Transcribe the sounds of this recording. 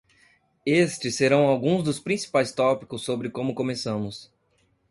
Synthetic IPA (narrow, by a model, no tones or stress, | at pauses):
est͡ʃɪsːeɾɐ̃w̃awɡũzd̪ʊspɾĩsi̥pajst̪ɔpi̥kʊsːobɾɪkõmʊkõmesɐ̃mʊs